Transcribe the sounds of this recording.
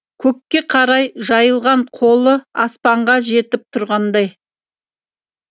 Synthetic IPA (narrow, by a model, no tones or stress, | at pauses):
kʲʰɵkʲːe̞qʰɑɾɑjʒɑjəlˠʁɑɴqʰo̞lˠəɑspɑɴʁɑʒe̞t̪ɪp̚t̪ʰʊɾʁɑnd̪ɑj